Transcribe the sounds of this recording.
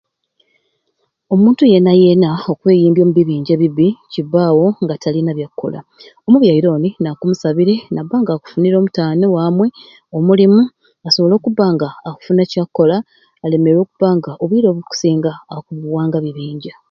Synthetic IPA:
o̞muːntuje̞naje̞nao̞kwe̞ːjiːmbjo̞ːmuβiβiːɲɟe̞βiβiciβːaːwo̞ŋɡatʰalinaβjakːo̞̰la̰ | o̞muβjaiɾo̞ːninakumusaβiɾe̞nabːaːŋɡaːku̥funiɾo̞ːmutaːnewaːmwe̞ | o̞mulimu | asoβo̞lo̞ːkuβaŋɡaːku̥funecakːo̞laː | le̞meɾo̞ːkuβaŋɡaʔo̞βiːɾo̞ːβuku̥siːŋɡaːkuβuwaːŋɡaβiβiːɲɟa

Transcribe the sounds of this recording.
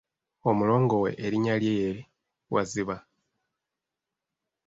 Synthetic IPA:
o̞mulo̞ːŋɡo̞we̞̰ʔːɾiɲaljeje̞ɾi | wa̰ziβa

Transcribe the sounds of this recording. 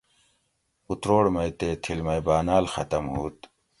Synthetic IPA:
ut̪ɾoːɽmɐjt̪eːt̪ʰilmɐjbaːnaːlxɐ̰t̪ɐmɦuːt̪

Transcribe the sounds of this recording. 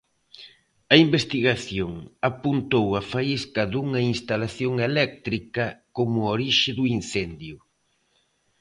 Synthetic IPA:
ɐimbest̪iɣaθjoŋapunt̪owɐfaiskɐðuŋɐinst̪alaθjoŋelɛk̚t̪ɾikɐkomʊoɾiʃɪðuin̟θɛnd̪jʊ

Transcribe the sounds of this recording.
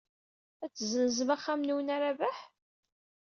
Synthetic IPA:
æt͡sːzənzəmæχːamnuwənæɾavæħ

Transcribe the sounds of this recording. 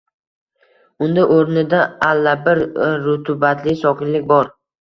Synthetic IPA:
ʊnd̪aʔoɾnɪd̪aalːabɪɾːʊt̪ʰʊbat̪ʰlɪsɒkʲʰɪnlɪk̚ʲbɒɾ

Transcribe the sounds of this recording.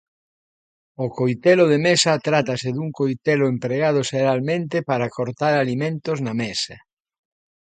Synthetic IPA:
okojt̪eloðemesɐt̪ɾat̪ɐseðuŋkojt̪elʊempɾeɣað̞ʊʃeɾalmẽnt̪epaɾakoɾt̪aɾalimẽnt̪oznamesɐ

